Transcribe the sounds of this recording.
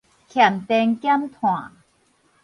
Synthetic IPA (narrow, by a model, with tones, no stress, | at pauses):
kʰja˨˩mt̪ɛ˧ŋkja˥mt̪ʰwãː˨˩˨